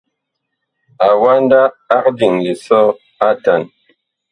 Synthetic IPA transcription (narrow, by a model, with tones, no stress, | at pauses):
a˨wa˦n˦daː˦k̚di˨ŋli˨sɔ˦ | a˦ta˨n